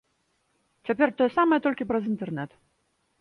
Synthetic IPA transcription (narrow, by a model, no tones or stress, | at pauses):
t͡sʲapʲɛrt̪ɔjɛsamɐjɛt̪ɔlʲkʲipɾɐzint̪ɛrnɛt̪